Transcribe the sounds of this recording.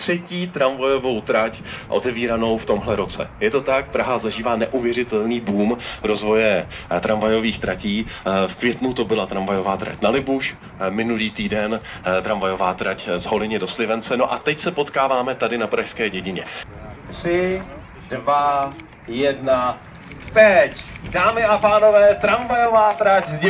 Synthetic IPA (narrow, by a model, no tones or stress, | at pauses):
t̪r̝̥ɛciːt̪ɾaɱvajo̞vo̞wt̪ɾac | ʔo̰t̪ɛviːɾano̞wft̪o̞mɦlɛɾo̞t͡sɛ̰jɛt̪ot̪ak̚pɾaɦazaʒiːvaːnɛʔuvjɛrɪt̪ɛlniːbuːmɾo̞zvo̞jɛt̪ɾamvajo̞viːxt̪ɾaciːfkvjɛt̪nut̪o̞bɪlat̪ɾamvajo̞vaːt̪ɾa̰cnalɪbuʃ | mɪnuliːt̪iːdɛn | t̪ɾamvajo̞vaːt̪ɾaczɦo̞lɪɲɪdo̞slɪvɛnt͡sɛno̞ʔat̪ɛcsɛpo̞t̪kaːvaːmɛt̪adɪnapɾaʃskɛːɟɛɟɪɲɛ | t̪r̥ɪ | dva | jɛdna | t̪ɛcdaːmɪʔapaːnovɛːt̪ɾamvajovaːt̪ɾacz